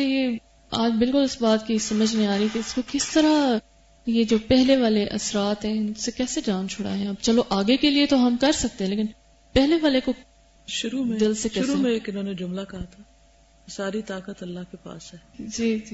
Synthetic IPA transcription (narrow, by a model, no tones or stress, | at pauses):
eje | aːd͡ʒbɪlkʊlɪsbaːt̪kisɐməd͡ʒʱnẽaːɾəikeɪskokɪst̪ɐɾa | jed͡ʒoːpɛɦleʋaːleʔɐsɾaːt̪ɦɛ̃ʊnsekɛːsed͡ʒãːnt͡ʃʰʊɽa̰ɦɛ̃ɐbt͡ʃɐloʔaːɡekeliet̪oɦɐmkɐɾsɐk̚t̪ẽɦɛ̃leːkɪn | pɛɦleʋaːleko | ʃʊɾumẽd̪ɪlseʃɛːʊsɾumẽekɪnõːned͡ʒʊmlakɐɦat̪ʰaː | saːɾit̪aːkət̪ɐlːaɦkepa̰ːsɦɛːd͡ʒiːi